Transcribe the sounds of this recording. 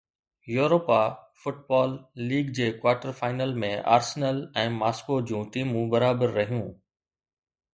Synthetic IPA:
juːɾoːpafʊʈ̚baːlːiːɡd͡ʑeːkwaːɾʈəɾfaːɪnəlmẽʔa̰ːɾsnəlɛ̃ːmaːskod͡ʑũːʈiːmũbɐɾaːbəɾːɐɦijũː

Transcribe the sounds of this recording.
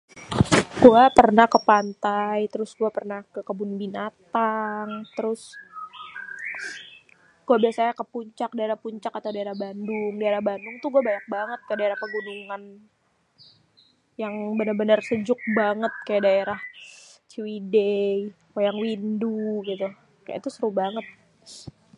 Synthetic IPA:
ɡ̥uapərnahkəpant̪ajt̪əɾʊsɡuapərnahkəkəbʊnbinat̪aŋt̪əɾʊs | ɡ̥uabiasajakəpuɲt͡ʃak̚daeɾahpuɲt͡ʃakat̪awdaeɾahbandʊŋdaeɾahbandʊŋt̪uhɡuabaɲak̚baŋət̪̚kajadaeɾahpəɡunuŋan | jaŋbənərbənərsəd͡ʒʊk̚baŋət̪̚kajaʔdaeɾaht͡ʃiwidej | pajaŋwinduɡit̪u | kaj̰ʔa̰t̪usəɾʊhbaŋət̪̚

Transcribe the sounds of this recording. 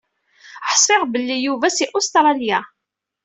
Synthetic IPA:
ħsˤɪʁbəlːijuvæsiʔost̪ɾˤɑlja

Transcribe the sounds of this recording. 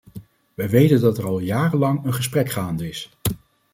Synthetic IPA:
ʋɛjʋejtəndɑtəɹɑlˠjaːrənlɑŋənχəs̬prɛkχaːndəɪs

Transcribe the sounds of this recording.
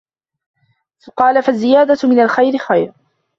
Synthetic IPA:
θʊqɑːlafazːɪjaːd̪amɪnalxajɾɪxajɾ

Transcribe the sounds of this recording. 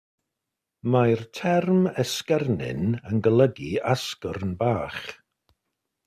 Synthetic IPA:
majɹtʰɛɾmɛskɛɾnɪ̰nənɡələɡiaskəɾnbaːx

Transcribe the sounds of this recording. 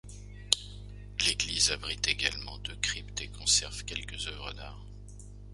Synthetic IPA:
leɡlizabʁit̪eɡa̰lmɑ̰̃d̪økχipt̪ekɔ̃sɛʁvkʲɛlkəzœvʁə̰d̪aːʁ

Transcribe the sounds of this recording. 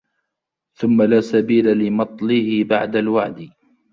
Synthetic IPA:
θʊmːalaːsabiːlalɪmɑt̪ˤlɪhɪbaʕd̪alwaʕd̪ɪ

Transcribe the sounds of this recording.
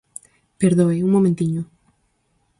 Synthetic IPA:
peɾðoeuŋmomẽnt̪iɲo

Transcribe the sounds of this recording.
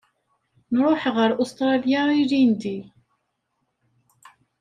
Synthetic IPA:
nɾˤʊħʁəɾʔust̪ɾˤɑljaiɾind̪i

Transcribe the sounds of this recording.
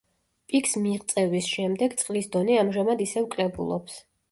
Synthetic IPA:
pʼikʰsmiʁt̪sʼɛvisʃɛmd̪ɛɡt̪sʼqʼlisd̪ɔnɛamʒamad̪isɛvkʼlɛbṵlˠɔ̰ps

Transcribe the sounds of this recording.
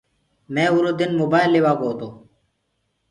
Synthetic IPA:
mẽːʊɾoːd̪ɪnmobaːjlːeːʋaːɡoːt̪oː

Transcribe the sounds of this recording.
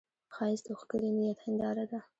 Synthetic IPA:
xɑɪst̪oxkəɾinijat̪hɪnd̪ɑɾad̪a

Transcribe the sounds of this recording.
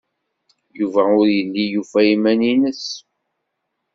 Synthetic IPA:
juvæʊɾjəlːijufæimæninəs

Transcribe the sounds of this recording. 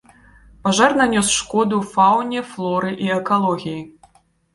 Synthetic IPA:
paʐarnanʲɔsʂkɔd̪ufawnʲɛflˠɔɾɨʔiɛkalˠɔɣʲiji

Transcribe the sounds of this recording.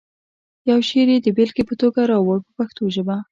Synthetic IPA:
jawʃeɾed̪əbelkepət̪oɡaɾɑwoɽpəpaxt̪oʒəba

